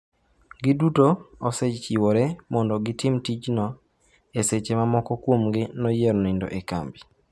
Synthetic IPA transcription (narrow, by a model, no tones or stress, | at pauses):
ɡɪdutooset͡ʃt͡ʃiwoɾɛmɔndɔɡɪtɪmtit͡ʃnɔ | eset͡ʃemamɔkɔkwomɡɪnɔjeɾnindo̰ʔeka̰mbi